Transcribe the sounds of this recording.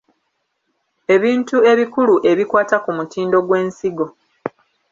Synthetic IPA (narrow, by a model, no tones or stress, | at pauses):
e̞βiːntue̞βikuluʔe̞βikwaːtakumutiːndo̞ɡwe̞ːnsiɡo̞